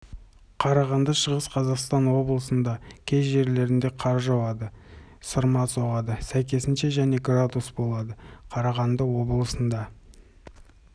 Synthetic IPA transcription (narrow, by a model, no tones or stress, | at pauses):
qʰɑɾɑʁɑnd̪əʃəʁəsqʰɑzɑqst̪ɑnwo̞bəlˠəsənd̪ɑkʲʰe̞zʒe̞ɾle̞ɾɪnd̪e̞qʰɑɾʒɑwɑd̪ə | səɾmɑsoʁɑd̪əsæjk̬ʲe̞sɪnʃe̞ʒæne̞ɡrad̪usbo̞lˠɑd̪əqʰɑɾɑʁɑnd̪əwo̞bəlˠəsənd̪ɑ